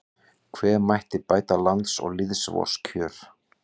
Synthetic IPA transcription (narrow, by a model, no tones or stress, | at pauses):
kʰvɛːɾmajht̪ɪpaːjt̪alant̪sɔ̰ɣlɪðsvɔ̰scʰœːɾ̥